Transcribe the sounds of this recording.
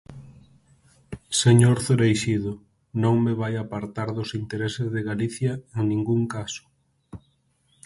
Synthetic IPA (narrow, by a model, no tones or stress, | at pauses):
seɲoɾθɾejʃiðʊ | nõŋmeβajapaɾt̪aɾðʊsint̪eɾesezðeɣaliθjaeŋnĩŋɡuŋkasʊ̥